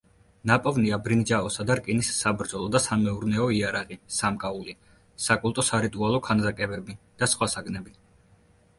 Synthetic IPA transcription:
napʼɔvniabɾind͡ʒaɔsad̪aɾkʼinisːabɾd̪zɔlˠɔd̪asamɛuɾnɛɔiaɾaʁisamkʼauli | sakʼulˠt̪ʼɔsaɾit̪ʼualˠɔkʰanzakʼɛbɛbid̪̥asχwasaɡnɛbi

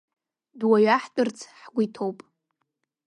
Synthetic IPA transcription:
dwaɥaħtʼɨrt͡sʰħɡʷitʰowpʼ

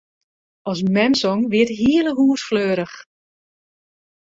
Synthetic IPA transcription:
ʔɔs̬mɛmsɔŋʋɪətɦiələɦuːsfløːɾəχ

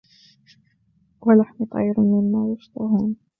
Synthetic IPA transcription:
walaħmʊt̪ˤɑ̰ːjɾmɪnːaːjʊʃt̪ˤɑhuːn

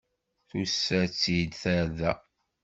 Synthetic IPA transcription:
θusːæt͡sːid̪θæɾðæ

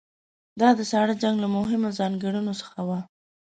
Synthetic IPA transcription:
d̪ɑd̪əsɑɽad͡ʒaŋɡlamʊɦɪmozɑŋɡəɽunosə̥xawa

